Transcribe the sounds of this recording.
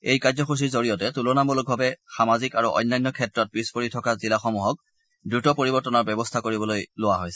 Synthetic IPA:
ejkazɔxus̬iɹzoɹijɔtɛtulonamɔlʊk̚bʱabɛxamazikaɹuʔɔ̰jnːajnːɔkʰɛtɹɔt̚pispoɹitʰɔkazilaxɔmuɦɔk̚ | dɹutɔpoɹibɔɹtɔnaɹbɛbɔstʰakoɹibɔlojlʊwaɦojsɛ̥

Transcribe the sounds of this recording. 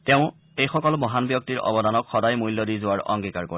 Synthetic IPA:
tɛʊ̃ | ejxɔkɔlbɔɦanbjɔk̚tiɹɔ̰bɔdanɔkxɔdajmujlːɔdizʊaɹɔ̰ŋɡikaɹkɔ

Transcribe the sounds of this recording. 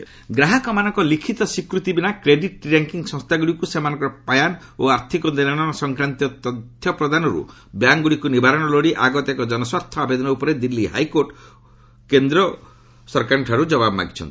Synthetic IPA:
ɡɾaɦakɔmanɔŋkɔlikʰit̪ɔsikɾut̪ibinakɾeɖiʈɾaŋkiŋsɔ̃ŋst̪ʰaɡuɽikusemanɔ̃ŋkɔɾɔpajan | oaɾt̪ʰikɔninaɽ̃ɔɔsɔŋkɾant̪ijɔt̪ɔt̪ʰjɔpɾɔd̪ʱanɔɾṵ | bjaŋɡuɽikunibʱaɾɔɽ̃ɔloɽiʔaɡɔt̪ekɔd͡ʒɔnɔswaɾt̪ʰɔabed̪ɔnɔupɔɾed̪ilːiɦa̰jkoɾʈ | kend̪ɾɔ | sɔɾkaɾʈʰaɾud͡ʒɔbabɔma̰ɡit͡ʃʰɔ̰nt̪i̥

